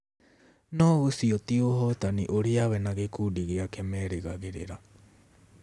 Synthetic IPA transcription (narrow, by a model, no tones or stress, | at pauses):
nousiot̪ioɦot̪aniʔoɾiaβɛnaɡekudiɡeakemeɾeɡaɡiɾḛɾa